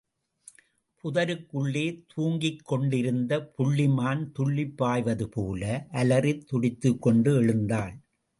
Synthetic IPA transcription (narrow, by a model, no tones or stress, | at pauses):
pʰʊðɐɾɯkːɯɭːeːt̪ʰuːŋɡɪkːɔɳɖɪɾɯnd̪ɐpʊɭːɪmaːnt̪ʊɭːɪpːaːjʋɐðɯpoːlɐʔɐlɐrɪt̪ːʊɽɪt̪ːɯkːɔɳɖɯɛɻɯnd̪aːl